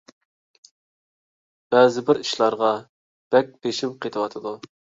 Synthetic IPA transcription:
b̥ɛːzɪbɪɾiʃlˠɑɾʁɑ | b̥ɛk̚ʲbeʃimqʰet̪ʰɨwɑt̪ʰɨd̪u

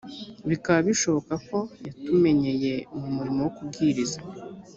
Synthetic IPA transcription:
βikaβaβiʃo̞βo̞kako̞jatume̞ɲe̞je̞mumuɾimowokub̚ɡiːɾiza

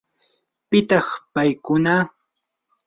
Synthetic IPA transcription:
pɪt̪ɑχpajkʊna

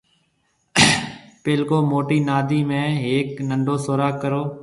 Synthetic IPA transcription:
peːlkoːmoːʈiːnaːd̪iːmẽːɦeːknəɳɖoːsoːɾaːkːəɾoː

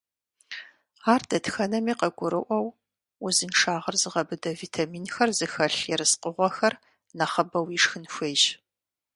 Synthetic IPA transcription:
aːrdɐtxɐnɐmiːqɐɡʷʊɾɨʔʷɐw | uzɨnʂaːʁɐrzɨʁɐbɨdɐviːtʰamiːnxɐrzɨxɐɬjɛɾɨsqəʁʷɔxɐr | nɐχɐbɐwiːʂxɨnxʷeːʒ

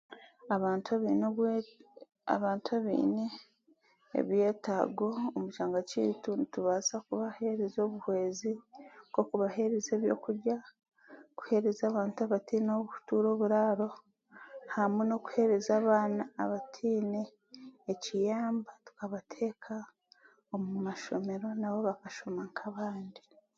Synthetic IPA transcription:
aβaːntuβinw | a̰βaːntaβḭːne | ḛβje̞ːtaɡoomuʃaːŋɡacḭtunituβaːzakuβahe̞ɾezo̞ːβuhwe̞ːziko̞kuβahe̞ɾeze̞ːβjo̞̰ːkuɾɟa | ku̥he̞ɾezaːβaːntuaβatiːnoβuu̥tuːɾo̞ːβuɾaːɾo̞ | hamweno̞ku̥he̞ɾezaːβaːnaːβatʰiːneː | cijaːmbatu̥kaβatʰe̞ːkʰa | omumaʃo̞me̞ɾo̞naβo̞βakaʃo̞maŋkʰaβaːndi

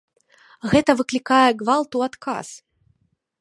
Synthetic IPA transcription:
ɣɛt̪ɐvɨklʲikajɛɡvalˠt̪uat̪kʰa̰s

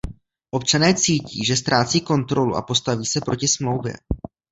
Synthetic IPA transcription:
ʔo̞pt͡ʃanɛːt͡siːciːʒɛst̪ɾaːt͡siːko̞nt̪ɾo̞lṵʔa̰po̞st̪aviːsɛpɾo̞cɪsmlo̞wvjɛ̰

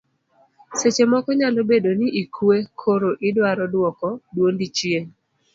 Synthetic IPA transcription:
set͡ʃemɔkɔɲalobedonɪʔikʰwekʰoɾoʔɪdwaɾɔdwɔkɔdwondit͡ʃjen

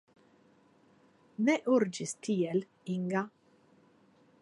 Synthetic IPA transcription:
nɛʔuɾd͡ʒɪst̪ʰiːɛl | iŋɡa

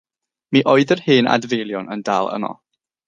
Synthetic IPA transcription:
miʔoːɨðərhɨːnʔa̰dvelˠjɔnəndaːlˠə̰mɔ̰

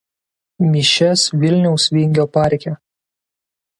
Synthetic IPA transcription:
mʲiʃʲɛsʋʲɪlʲnʲɛʊsʋʲɪŋʲɡʲoːpɑˑɾʲkʲɛ

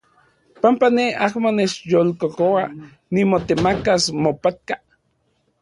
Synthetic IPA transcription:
pampaneahmonet͡ʃjolkokowa | nimot̪emakasmopat̪̚ka

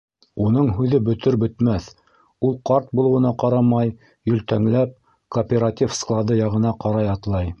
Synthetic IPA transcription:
unɤɴɦʉðɘbɵ̆t̪ɵɾbɵ̆t̪mæθ | ulˠqɑɾt̪̚bulˠɤ̆wɤ̆nɑqɑɾɑmɑj | jɵ̆lt̪æŋlæp̚ | koːpʲeɾat̪ʲifsklˠɑd̪ɤjɑʁɤ̆nɑqɑɾɑjɑt̪lˠɑj

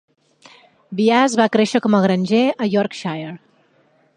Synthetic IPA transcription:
biazβakɾeʃəkɔməɣɾənʲʒeəjɔɾkʃajeɾ

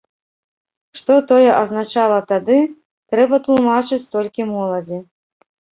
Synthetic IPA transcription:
ʂt̪ɔt̪ɔjɛʔɐznat͡ʂalˠɐt̪ad̪ɨ | t̪ɾɛbɐt̪lˠumat͡ʂɨt͡sʲt̪ɔlʲkʲimɔlˠɐd͡zʲi

